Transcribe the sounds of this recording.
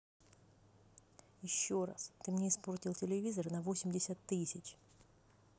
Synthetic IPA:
jɪɕːoɾa̰st̪ɨmnʲeɪsportʲɪlˠtʲɪlʲɪvʲizərnɐvosʲɪmʲdʲɪsʲat̪ːɨsʲɪt͡ɕ

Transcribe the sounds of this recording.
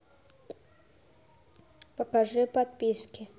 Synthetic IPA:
pɐkaʐɨpat̪̚pʲiskʲɪ

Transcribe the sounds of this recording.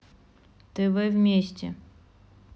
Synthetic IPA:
t̪ɨvɨvʲmʲeɕʲt͡ɕʲɛ̰

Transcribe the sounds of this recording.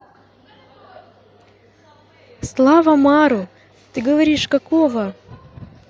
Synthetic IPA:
slˠavɐmaɾʊ | t̪ɨɡəvɐɾʲiʂkɐkovə

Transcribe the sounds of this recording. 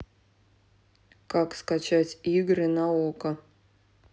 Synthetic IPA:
kakskat͡ɕatʲiɡɾʲɨnaokə

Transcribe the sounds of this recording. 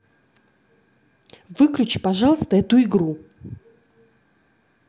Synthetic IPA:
vɨklʲʉt͡ɕpɐʐɑlˠəst̪əɛt̪ʊɪɡɾu

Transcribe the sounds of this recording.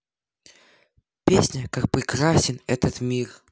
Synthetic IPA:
pʲesʲnʲəkak̚pɾʲɪkɾasʲɪnɛt̪ət̪mʲir

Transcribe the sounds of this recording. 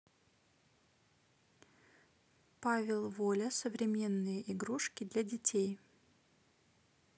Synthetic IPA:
pavʲɪlˠvolʲəsəvɾʲɪmʲe̞nːɨjəʔɪɡɾuʂkʲɪd̪lʲɐdʲɪtʲʰej

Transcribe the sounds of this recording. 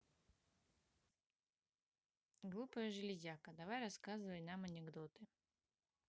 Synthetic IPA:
ɡlˠupəjʐɨlʲɪzʲakəd̪ɐvajrɐskazɨvəjnamɐnʲɪɡd̪ot̪ɨ

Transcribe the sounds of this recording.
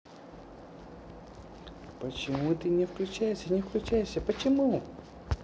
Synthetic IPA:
pət͡ɕɪmut̪ɨnʲɛfklʲʉt͡ɕæjɪsʲənʲɪfklʲʉt͡ɕæjɪʂsʲɐpət͡ɕɪmu

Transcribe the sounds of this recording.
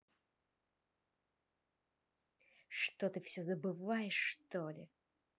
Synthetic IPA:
ʂt̪ot̪ɨfsʲɵzəbɨvajɪʂːt̪olʲɪ̰

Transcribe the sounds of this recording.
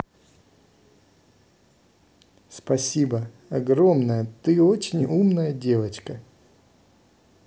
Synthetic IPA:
spɐsʲibə | ɐɡɾo̞mnəjət̪ɨo̞t͡ɕɪnʲumnəjədʲe̞vət͡ɕkə

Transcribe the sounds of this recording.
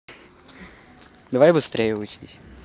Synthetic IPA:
d̪ɐvajbɨst̪ɾʲejəʊt͡ɕḭsʲ

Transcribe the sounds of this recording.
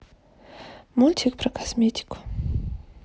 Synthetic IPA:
mulʲt̪ʲʰikpɾɐkʰasmʲet̪ʲi̥kʊ̥

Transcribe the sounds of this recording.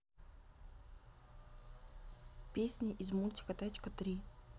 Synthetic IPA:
pʲesʲnʲiʔizmulʲt̪ʲɪ̥kət̪at͡ɕkət̪ɾʲi

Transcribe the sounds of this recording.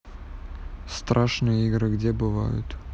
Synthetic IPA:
st̪ɾʔaʂnɨjəiɡɾɨɡdʲebɨva̰jʊ̰t̪

